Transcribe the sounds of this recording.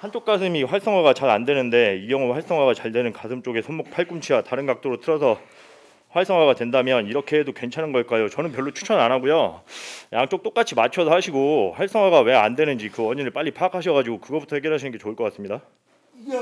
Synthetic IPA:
hant͡ɕ͈ok̚k͈asʰɯmiɸwaɭs͈ʌŋɦwaɡat͡ɕaɾandwe̞nɯnde̞ijʌŋoɸaɭs͈ʌŋwaɡat͡ɕaɭdwe̞nɯnkasʰɯmt͡ɕ͈oɡe̞sʰonmok̚pʰaɭk͈umt͡ɕʰiataɾɯnɡak̚t͈oɾotʰɯɾʌsʰʌ | ɸwaɭs͈ʌŋwaɡadwendamjʌniɾʌkʰe̞dokwe̞nt͡ɕʰanɯnɡʌɭk͈ajot͡ɕʌnɯnpjʌɭːot͡ɕʰu̥t͡ɕʰʌnanaɡujo | jaŋt͡ɕ͈ok̚t͈ok͈at͡ɕʰimat͡ɕʰʌsʰʌhaɕʰiɡoɸwaɭs͈ʌŋwaɡawe̞andwenɯnd͡ʑikɯwʌɲinɯɭp͈aʎːipʰaːkʰaɕʰʌɡad͡ʑiɡokɯɡʌbutʰʌhe̞ɡjʌɭɦaɕʰinɯnɡe̞t͡ɕoɯɭk͈ʌk͈as͈ɯmɲida

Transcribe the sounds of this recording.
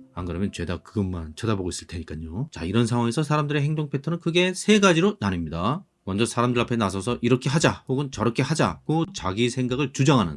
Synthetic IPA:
ankɯɾʌmjʌnt͡ɕwe̞dakɯɡʌnmant͡ɕʰʌdaboɡois͈ɯɭtʰe̞ɲik͈aɲot͡ɕa̰iɾʌnsʰaŋwaŋesʰʌsʰaɾamdɯɾe̞he̞ŋdoŋpʰetʰʌnɯnkɯɡe̞sʰe̞ɡad͡ʑiɾonanɯmɲida | mʌnd͡ʑʌsʰaɾamdɯɾapʰe̞nas̬ʰʌsʰʌʔiɾʌkʰe̞ɦad͡ʑahoɡɯnt͡ɕʌɾʌkʰe̞had͡ʑa̰k͈ot͡ɕaɡisʰeŋɡaɡɯɭt͡ɕud͡ʑaŋɦanɯ̰n

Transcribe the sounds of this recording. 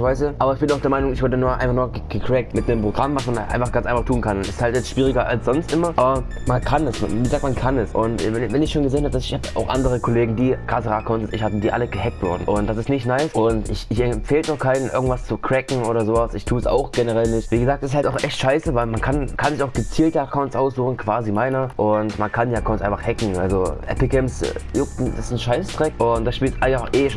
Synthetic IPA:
vaɪsuʔaːbɐɪçb̥ɪnaʊd̥eːɐmaɪnʊŋɪçvɔɐtənuːɐʔa̰ɪnfaχnuːɐɡ̥əkʰʁ̥ɛk̚tmɪt̚nempʁ̥oɡʁamvasmanʔa̰ɪnfaχɡ̥ant͡sʔaɪnfaχtʰuːnkʰannɪsthaltjɛt͡sstʃv̥iːʁɪɡɐʔalsz̥ɔnstʔɪmɐʔaːbɐ | mankʰanɛsm̰viːɡəzaːk̚t̚mankʰanɛsʔʊntːɛvɛnɪçʃoːnɡəzeːnhapədasɪçhaːba̰ʊxʔa̰ndəʁ̞əkʰɔleːɡŋ̩diːɡ̥asəʁaːkʰaʊntəsɪçhatm̩diːʔaləɡəɦɛk̚tv̥ʊɐdn̩ʔʊnt̚d̥asɪstnɪçtnaɪsʔʊntɪçɪçɛfeːltdaʊxkʰaɪnənɪ̰ɐɡŋ̩tv̥ast͡sukʁ̥ɛkŋ̩oːɾɐzoːvasɪçtʰuːəsa̰ʊxɡ̥enəʁɛlnɪçtviːɡəzaːk̚tɛsɪ̥shaltaʊxʔɛçtʃaɪsəvaɪlmankʰankʰanzɪçaʊxɡ̥ət͡siːltəakʰaʊntsʔaʊs̬z̥uːxn̩kʰv̥aːzimaɪnɐʔʊntmankʰandiːakʰaʊnsʔaɪnfaχhɛkŋ̩ʔa̰lzoɛ̰pl̩ɡɛmsjʊktn̩sɪ̥sn̩ʃaɪsstʁ̥ɛkʔʊnt̚d̥asʃpiːltʔaɪɡŋfaχʔeːʃo

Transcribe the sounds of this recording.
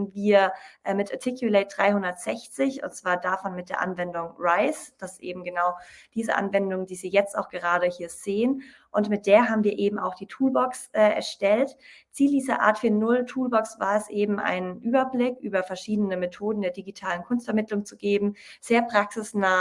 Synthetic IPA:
viːɐʔɛmɪtʔaɐtʰɪkʰjuleːt̚d̥ʁaɪhʊndɐtz̥ɛçt͡sɪçʊ̰nt̚t͡sv̥aːɐdafɔnmɪt̚d̥eːɐʔa̰nvɛndʊŋʁaɪsd̥asʔḛːbm̩ɡənaʊd̥iːzə̰ʔa̰nvɛndʊŋdiːziːjɛt͡sta̰ʊxɡ̥əʁ̞aːdəhiːɐz̥eːən | ʔʊntmɪt̚d̥eːɐɦaːbm̩viːɐʔeːbm̩a̰ʊxd̥iːtʰuːlbɔksʔɛːʔɛ̰ɐʃtɛltt͡siːldiːzɐʔa̰ːɐtfyːnʊltʰuːlbɔksv̥a̰ːɐɛsʔeːbm̩ʔa̰ɪnʔyːbɐblɪkʔyːbɐfɛɐʃiːdənəmetʰoːdn̩deːɐdiɡitʰaːlənkʰʊnstfɛɐmɪtlʊŋt͡suɡeːbm̩z̥eːɐpʁ̥aksɪsnaː

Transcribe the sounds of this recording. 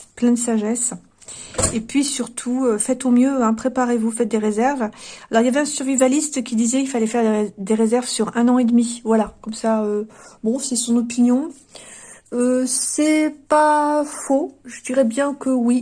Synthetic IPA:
plɛ̃d̪əsaʒɛs | epɥisyʁt̪ʰuøfɛt̪ɔ̃mjøɛ̃pχepaʁevufɛt̪̚d̪eʁezɛʁvalɔʁiljavɛɛ̃syʁvivalist̪kʲid̪izɛilfalɛfɛʁd̪d̪eʁezɛʁvsyʁɛ̃nɑ̃ed̪mivwalakɔmsaøbɔ̃sɛsɔ̃nɔpinjɔ̃ | øsɛpafoʒəd̪iʁɛbjɛ̃kəwi

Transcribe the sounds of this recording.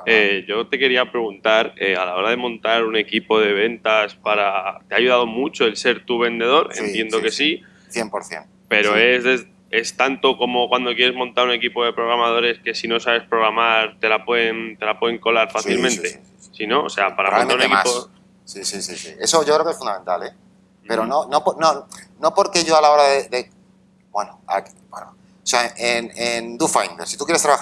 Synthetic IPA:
eʝo̞t̪e̞ke̞ɾiapɾe̞ɣunt̪aɾealao̞ɾaðe̞mõ̞nt̪aɾune̞kipo̞ð̞e̞β̞e̞nt̪aspaɾat̪eaʝuðað̞o̞mut͡ʃo̞else̞ɾt̪uβ̞e̞nd̪e̞ð̞o̞ɾḛnt̪je̞nd̪o̞ke̞si | θjempoɾθjḛn | pe̞ɾo̞e̞zðez | e̞st̪ant̪o̞ko̞mo̞kwand̪okjeɾe̞zmõ̞nt̪aɾune̞kipo̞ðe̞pɾo̞ɣɾamað̞o̞ɾe̞ske̞sino̞saβe̞spɾo̞ɣɾamaɾt̪e̞lapweðent̪e̞lapwe̞ðeŋko̞laɾfaθilmẽnt̪e̞ | sino̞o̰se̞apaɾamnnt̪aɾunema̰pso | sisisisie̞so̞ʝokɾekesfund̪ament̪a̰le | pe̞ɾononoponono̞po̞ɾke̞ʝo̞alao̞ɾaðeðe | bwenoa̰k | bweno | seaʔenend̪ufajnd̪eɾsit̪ukjeɾest̪ɾaβa

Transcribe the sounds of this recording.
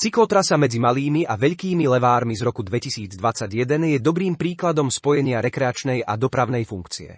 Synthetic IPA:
t͡siklɔt̪ɾasamɛd͡zimaliːmiʔaʋɛʎkiːmilɛʋaːɾmizɾɔkud̪ʋɛcisiːd͡zd̪ʋat͡saɟjɛd̪ɛnjɛd̪ɔbɾiːmpɾiːklad̪ɔmspɔjɛɲɪaɾɛkɾɛat͡ʃnɛjad̪ɔpɾaʊnɛjfuŋkt͡siɛ̰

